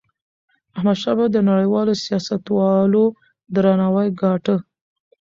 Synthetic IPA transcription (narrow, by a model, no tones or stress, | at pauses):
ahmad̪ʃɑbad̪ənaɽəjwɑlosijɑsat̪wɑlo | d̪ɾanawajɡɑʈə